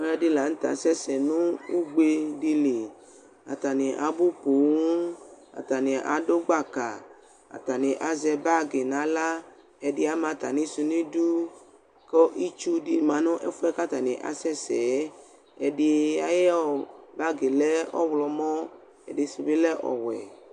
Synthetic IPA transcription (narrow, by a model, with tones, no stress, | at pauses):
ɔ˦ɛ˦dɪ˦la˨n̩˦t̪a̰˨sɛ˦sɛ˨nũ˦u˦ɡ͡be˦di˧li˨ | a̰˨t̪a˨nĩ˨ʔa̰˨bu˦po˨wu˦a̰˨t̪a˨nɪ̃˨ʔa̰˨do˦ɡ͡ba˦ka˨ | a̰˨t̪a˨nɪ̃˨ʔa˨zɛ˨ba˦ɡe˨nã˨la˦ | ɛ˨dɪ˦a˦mã˨t̪a˨nĩ˦su˧nĩ˦du˦ | kɔ˦ʔi˦t͡ʃu˦di˨mã˨nɔ̃˦ʔɛ˦fu˦ɛ˦ka˦t̪a˨nɪ̃˨ʔa̰˨sɛ˦sɛ˨˦ | ɛ˨dɪ˦a˨jɛ˦ɔ˨ba˦ɡe˨lɛ˦ɔ̰˦wlɔ˨mɔ̃˦ | ɛ̰˨dɪ˨si˨be˦lɛ˦ʔɔ̰˨wɛ˨